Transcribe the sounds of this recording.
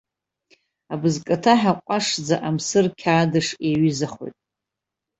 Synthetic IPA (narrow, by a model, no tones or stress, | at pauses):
abɨzkʼatʰaħaqʷʼaʂd͡zaʔamsɨrkʲʰaːdɨʂeɥizaχo̞̰jtʼ